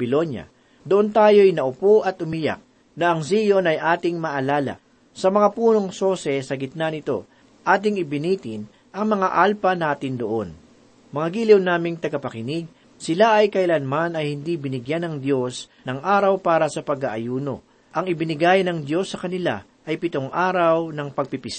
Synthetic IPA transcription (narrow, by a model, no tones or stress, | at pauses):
bɪlo̞njɐ̰ | d̪oʔont̪aːjo̞jnɐʔʊpo̞ʔɐt̪ʔʊmija̰k̚ | nɐʔɐŋsijo̞nɐjʔaːt̪ɪŋmɐʔɐlaːlɐ̰ | sɐmɐŋapuːno̞ŋso̞sɛsɐɡɪt̪̚nanɪt̪o̞ | ʔaːt̪̬ɪŋɪbɪniːt̪ɪn | ʔɐŋmɐŋaʔalpɐnaːt̪ɪnd̪oʔo̞n | mɐŋaɡiːlɪwnaːmɪŋt̪ɐɡɐpɐkɪnɪɡ̚ | sɪlaʔɐjkɐɪlɐnmanɐjhɪnd̪ibɪnɪɡjanɐŋd̪jo̞s | nɐŋʔaːɾɐwpaːɾɐsɐpɐɡɐʔɐjuːno̞ | ʔɐŋɪbɪnɪɡajnɐŋd̪jo̞sːɐkɐnɪla̰ | ʔɐjpɪt̪o̞ŋʔaːɾɐwnɐŋpɐɡ̚pipɪs